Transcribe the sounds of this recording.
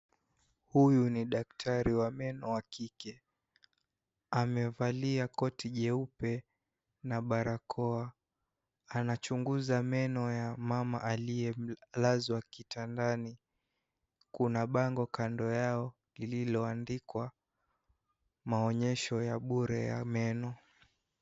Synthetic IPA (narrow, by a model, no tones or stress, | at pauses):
hujuniɗaktʰaɾiwamɛnɔwakʰikɛ | amɛvaliakɔtiʄɛupɛ | naɓaɾakʰɔa | anat͡ʃuŋɡuzamɛnɔjamama̰ʔalijɛlazwakitʰandani | kunaɓaŋɡɔkandɔjaɔ | lililɔandikwa | maɔɲɛʃɔjaɓuɾɛja̰mɛnɔ